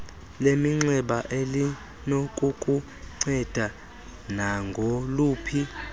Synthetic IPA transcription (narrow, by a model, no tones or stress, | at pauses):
lemiŋ͡ǀɛɓaʔeli | nokʼukʼu | ŋ͡ǀɛd̥ʱa | naŋɡʱoluːpʰi